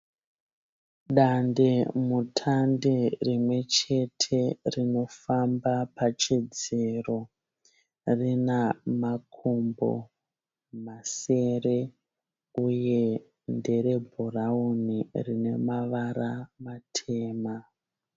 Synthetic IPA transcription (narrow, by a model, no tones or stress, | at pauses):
ɗandemutʰanderimwe̞t͡ʃe̞tʰe̞rino̞fambapat͡ʃed͡zero̞ | rinamakʰumbo̰ | mase̞re | uje̞ | nde̞ɾe̞bʱuraunirine̞maʋaramatʰe̞ːma